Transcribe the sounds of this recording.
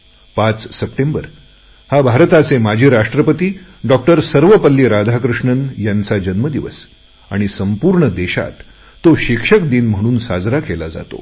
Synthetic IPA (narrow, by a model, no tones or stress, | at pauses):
pat͡ssəpʈembəɾ | habʱaɾt̪at͡semad͡ʑʱiːɾaʂʈɾəpət̪iːɖɔk̚ʈəɾsəɾʋəpəlːiɾad̪ʱakɾuʂɳənjant͡sad͡ʑənməd̪iʋə̰s | aɽ̃isəmpuːɾɳəd̪eɕa̰t̪ː | oɕikʂəkd̪iːnm̤əɽ̃uːnsad͡zɾakelad͡za̰t̪o̰